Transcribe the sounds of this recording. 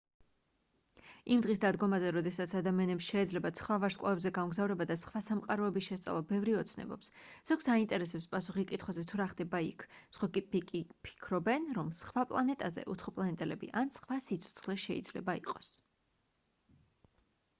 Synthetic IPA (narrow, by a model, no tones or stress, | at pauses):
imd̪ʁis̬d̪ad̪ɡɔmazɛɾɔd̪ɛsat̪sʰad̪amianɛpsʃɛːd̪zlɛbat̪sχwavaɾskʼlˠavɛbzɛɡamɡzavɾɛbad̪asχwasamqʼaɾɔɛbisʃɛst̪sʼa̰lˠɔbɛvɾiɔt̪sʰnɛ̰bɔ̰psz̥ɔɡsaint̪ʼɛɾɛsɛpspʼasuχikʼit̪ʰχwazɛt̪ʰuɾaχd̪ɛbaḭkʰsχwapikʼipʰi̥kʰɾɔbɛnɾɔmsχwapʼlˠanɛt̪ʼazɛ̰ʔut̪sʰχɔpʼlˠanɛt̪ʼɛlɛbḭʔansχwasit̪sʰɔ̥t̪sʰχlɛʃɛḭd̪z̥lɛ̰baḭqʼɔ̥s